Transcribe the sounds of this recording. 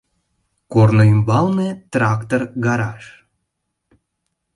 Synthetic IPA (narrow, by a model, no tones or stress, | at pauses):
kornoymbɑlnet̪rɑkt̪orɡɑɾɑʃ